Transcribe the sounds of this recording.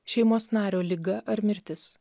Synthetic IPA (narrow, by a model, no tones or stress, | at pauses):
ʃʲɛɪmoːsnɑːɾʲoːlʲɪɡɐʔɐɾmʲɪɾʲt̪ʲɪs